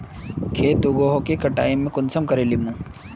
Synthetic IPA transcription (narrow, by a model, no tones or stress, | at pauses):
kʰeːt̪ʊɡoːɦokekɐʈa̰ːjemẽkʊnsəmkɐɾeːlimũː